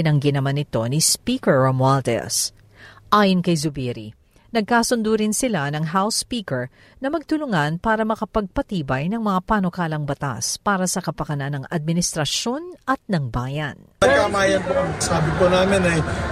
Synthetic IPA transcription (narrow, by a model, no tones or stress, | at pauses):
ɪnɐŋɡɪnɐmanɪt̪o̞nispiːkɛɹɐmwalt̪ɛ̰s | ʔaːjonkɐjzʊbɛɾḭ | nɐɡ̚kaːsʊnd̪uɾɪnsɪlanɐŋɦawspiːkɛɹ | nɐmɐɡ̚t̪ʊlʊŋanpaːɾɐmɐkɐpɐɡ̚pɐt̪iːbɐjnɐŋmɐŋapanokaːlɐŋbɐt̪a̰spaːɾɐsɐkɐpɐkɐnanːɐŋʔɐd̪̚mɪnɪst̪ɾɐʃo̞nʔɐt̪̚nɐŋbaːjɐn | ɐjkamaːjɐnpoɐŋsaːbɪkonaːmɪnɐj